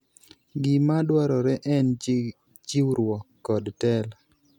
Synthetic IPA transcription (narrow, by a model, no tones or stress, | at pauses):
ɡimadwaɾɔɾɛʔɛn | d͡ʒiwuɾwɔkːɔdtɛl